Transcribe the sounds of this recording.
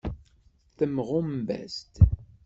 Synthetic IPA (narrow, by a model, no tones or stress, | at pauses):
θəmʁʊmbæ̰st̪